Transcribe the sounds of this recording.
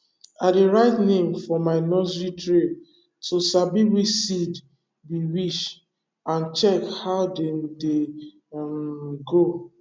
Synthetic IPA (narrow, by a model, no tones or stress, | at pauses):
adeɹaɪtnẽmfɔmaɪnɔsɹitɹe | tosabiwit͡ʃsid | biwiʃ | ãnt͡ʃɛkhaʊdede | mɡo